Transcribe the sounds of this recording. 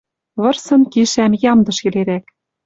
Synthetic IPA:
βɤ̆rsɤ̆nkiʃæmjɑmd̪ɤ̆ʃkɘ̆leɾæk̚

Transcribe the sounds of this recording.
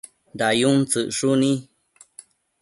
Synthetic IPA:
dajunt͡sɨʔʂunĩ

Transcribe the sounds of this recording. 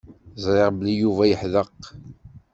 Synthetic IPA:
zˤɾɪʁblijuvæjəħðəq

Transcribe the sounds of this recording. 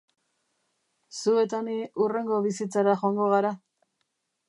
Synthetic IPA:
sue̞t̪aniure̞ŋɡo̞βisit͡saɾaxoaŋɡo̞ɣaɾa

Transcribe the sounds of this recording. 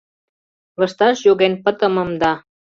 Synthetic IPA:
lə̆ʃt̪ɑʃjoɣenpə̆t̪ə̆mə̆md̪ɑ

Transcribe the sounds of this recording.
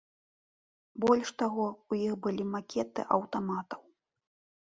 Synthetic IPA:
bɔlʲʂt̪aɣɔujixbɨlʲimakʲɛt̪ɨ̰ʔɐwt̪amat̪ɐ̥w

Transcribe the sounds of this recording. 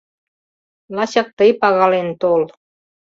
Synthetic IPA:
lɑɕɑ̆k̚t̪əjpɑɣɑlent̪ol

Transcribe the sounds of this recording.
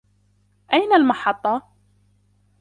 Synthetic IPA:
ʔajnalmɑħɑt̪ˤːɑ

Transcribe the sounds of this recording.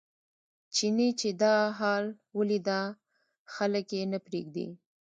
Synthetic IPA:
t͡ʃinit͡ʃed̪ɑɦɑl | wəlid̪a | xaləkjenəpɾeɡd̪ḭ

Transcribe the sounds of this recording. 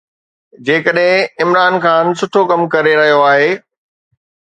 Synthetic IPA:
d͡ʑeːkəɗɦɪ̃ɪmɾaːnxaːnsʊʈʰokɐmkɐɾeɾɐɦijoaːɦeː

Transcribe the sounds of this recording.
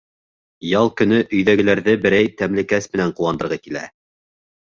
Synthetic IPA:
jɑlˠkɵ̆nɵʔɵ̆jðæɡɘ̆læɾðɘbɘ̆ɾæjt̪æmlɘ̆kæsmɘ̆næɴqulˠːɑnd̪ɤ̆ɾʁɑkilæ̰

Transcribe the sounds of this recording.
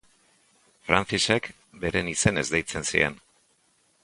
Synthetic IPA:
fɾant͡sise̞k | be̞ɾe̞nise̞ne̞zðejt͡se̞nsie̞̰n

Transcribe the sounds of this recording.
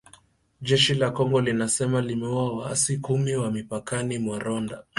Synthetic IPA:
ʄɛʃilakɔŋɡɔlinasɛmalimɛuawa̰sikumiwamipakanimwaɾɔnda

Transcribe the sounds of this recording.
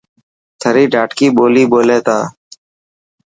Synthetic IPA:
t̪ʰəɾiːɖʱaːʈkiːɓoːliːɓoːlẽːt̪ãː

